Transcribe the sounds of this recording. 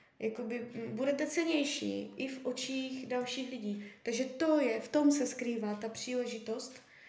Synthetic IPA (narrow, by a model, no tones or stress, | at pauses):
jako̞bɪbudɛt̪ɛt͡sɛlɲɛjʃḭːʔɪfʔo̞t͡ʃiːxdalʃiːxlɪɟiːt̪aɡʒɛt̪o̞jɛft̪o̞msɛskɾiːvaːt̪apr̝̥iːlɛʒɪt̪o̞st̪